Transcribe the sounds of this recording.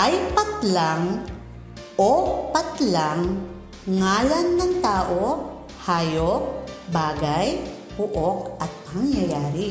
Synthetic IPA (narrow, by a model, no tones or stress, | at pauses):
ʔɐjpɐt̪laŋ | ʔopɐt̪laŋː | aːlɐnːɐŋt̪aːʔo | haːjok̚baːɡaj | bʊʔok̚ʔɐt̪̚pɐŋjɐjaːɾɪ